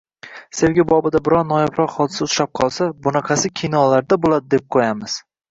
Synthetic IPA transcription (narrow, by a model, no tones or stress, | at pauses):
se̞wɡʲabɒbɪd̪abɪɾɒnnɒjabɾɒqhɒd̪ɪsaʊɾap̚qʰɒlˠsabʊnaqʰasɪkʲʰinɒlaɾd̪abolˠad̪ɪd̪e̞p̚qʰojamɪz̥